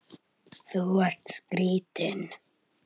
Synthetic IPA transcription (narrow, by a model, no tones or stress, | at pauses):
θuaɾ̥t̪ɡ̥ɾiːt̪ɪn